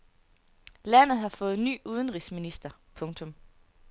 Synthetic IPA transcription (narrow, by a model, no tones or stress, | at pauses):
læn̰ð̩ˠhɑ̈fɔ̽ːð̩ˠny̰ːuːðˠənʁisminisd̥ɐpʰɔ̽ŋt͡sʰɔ̽m